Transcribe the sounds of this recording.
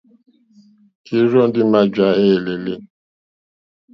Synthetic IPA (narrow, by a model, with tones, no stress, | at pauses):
ki˦ɾɔ˦n̩˦dɪ˦ma˦d͡ʒa˦e˦˨le˨le˦